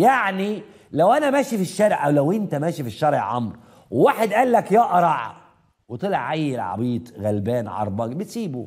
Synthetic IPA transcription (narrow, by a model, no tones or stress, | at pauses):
jaʕni | læwʔænæmæːʃifiʃːæːɾʕʔæwlæwʔɪnt̪æmæːʃifiʃːɑɾˤɪ̰ʕʕɑ̰mɾˤ | wwaːħed̪ʔæːlːækjæːʔɑɾˤɑʕ̰ | wet̪ˤɨleʕʕajːɪlʕɑ̰biːt̪ˤɣælbæːnʕɑ̰ɾˤbɑbɪt̪siːbu